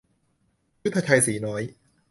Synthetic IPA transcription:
ju˦˥t̪ʰːa˧t͡ɕʰa˧jsiː˩˦nɔː˦˥j

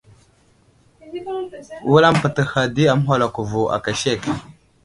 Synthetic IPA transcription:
wu˦la˦m˦pə˨tə˨xa˨di˦a˨m˦ɦʷa˨la˨ku˨vu˨ʔa̰˨ka˨ʃe˦˨k

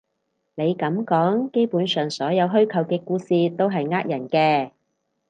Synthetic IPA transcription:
ne˨˧jkɐ˨˥mkɔː˨˥ŋke˥jpuː˨˥nsœː˨ŋsɔː˨˥jɐ˨˧wɦɵ˥ɥkʰɐ˨˧wkɛː˧kuː˧siː˨t̪o˥wɦɐ˨jŋaː˥k̚jɐ˨˩nkɛː˧

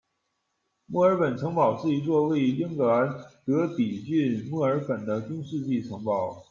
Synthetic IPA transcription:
mwɔ˥˩ə˞˧˥pə˨˩nʈ͡ʂʰɤ˧˥ŋpɑ˨˩ʊʂɻ̩˥˩i˧˥t͡swɔ˥˧we˥˩ɪ˥lji˥ŋkɤ˨˩a˧˥nt̪ɤ˧˥pi˨˩t͡ɕy˥˧nmwɔ˥˩ə˞˧˥pə˨˩nd̪ə˦t͡ɕu˥ŋʂɻ̩˥˧t͡ɕi˥˩ʈ͡ʂʰɤ˧˥ŋpɑ˨˩˦ʊ

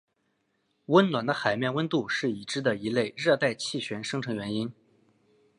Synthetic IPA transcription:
wə˥nlwa˨˩nd̪ə˦xa˨˩ɪmjɛ˥˩nwə˥nt̪u˥˧ʂɻ̩˥˩i˨˩ʈ͡ʂɻ̩˥d̪ə˨i˧˥le˥˧ɪɻɤ˥˧t̪a˥˧ɪt͡ɕʰi˥˩ɕɥɛ˧˥nʂɤ˥ŋʈ͡ʂʰɤ˧˥ŋɥɛ˧˥ni˥n

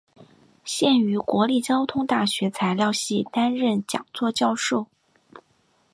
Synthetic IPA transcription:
ɕjɛ˥˩ny˧˥kwɔ˧˥li˥˩t͡ɕjɑ˥ʊt̪ʰʊ˥ŋt̪a˥˩ɕɥɛ˧˥t͡sʰa˧˥ɪljɑ˥˧ʊɕi˥˩t̪a˥nɻə˥˩nt͡ɕjɑ̰˨˩ŋt͡swɔ˥˧t͡ɕjɑ˥˧ʊʂo˥˩ʊ

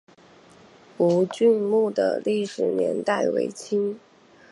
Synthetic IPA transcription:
u˧˥t͡ɕy˥˧nmu˥˩d̪ə̰˩li˥˩ʂɻ̩˨˩njɛ̰˧˥nt̪a˥˩ɪwḛ˧˥ɪt͡ɕʰi˥ŋ

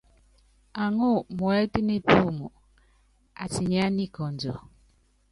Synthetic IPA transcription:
a˨ŋo˦˨mwɛ˦ti˦ni˦pu˦˨mu˨ | a̰˨si˨ɲa˦ni˦kɔ˨nd͡ʒɔ˨

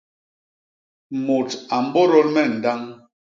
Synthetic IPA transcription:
mo˨ta˨m̩˦bɔ˦ɾɔ˦lmɛ˦˨n̩˨da˦ŋ

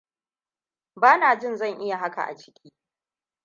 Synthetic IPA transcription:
baː˦naː˨d͡ʒɪ˦nzɐ˦˨ŋʔɪ˦ja˨ɦa˦ka̰˨ʔa̰˨t͡ʃɪ̥˦kʲʰiː˦

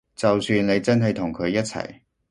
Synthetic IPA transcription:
t͡sɐ˨wsyː˧nle˨˧jt͡sɐ˥nɦɐ˨jt̪ʰʊ˨˩ŋkʰɵ˨˧ɥjɐ˥t̚t͡sʰɐ̰˨˩j

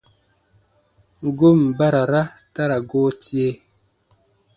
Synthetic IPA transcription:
ŋ̩˨ɡu˦˨m˨ba˦ɾa˨ɾa˦ta˦ɾa˨ɡoː˦tje˦

